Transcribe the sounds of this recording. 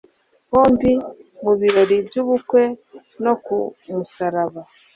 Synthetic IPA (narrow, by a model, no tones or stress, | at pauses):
hoːmbimuβiɾoɾibɟuβukwe | nokumusaɾaβa